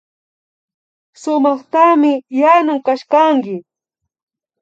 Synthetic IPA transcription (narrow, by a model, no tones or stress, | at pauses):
sʊmɑχt̪amɪjanʊmkaʃkaŋɡɪ